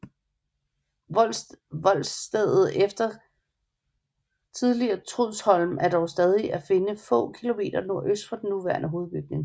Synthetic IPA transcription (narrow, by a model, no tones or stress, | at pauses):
ʋɒ̽l̰sd̥eð̰ˠð̩ˠefd̥ɐ | t͡sʰið̞ˠliɐːt͡sʰʁuð̰ˠshɒ̽lm̩æɐd̥ɒʊsd̥ɛð̞ˠiʔæfe̝nəfɔ̰̽ːkʰilo̝me̝̰ːd̥ɐno̝ɐ̰ʔøsd̥fʁɑ̈d̥enːuʋæɐ̰nʔəɦo̝ːð̩ˠb̥yɡ̥̚ne̝ŋ